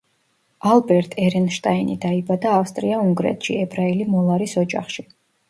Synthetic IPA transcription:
alˠbɛɾt̪ʼʰɛɾɛnʃt̪ʼainḭd̪aibad̪aːfst̪ʼɾiauŋɡɾɛ̰t̪ʰʃḭɛbɾailimɔlˠaɾisɔd͡ʒa̰χʃi

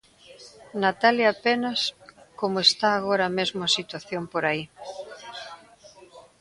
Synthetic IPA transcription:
nat̪aljaapenɐskomʊest̪aːɣoɾamezmʊasit̪waθjompoɾai

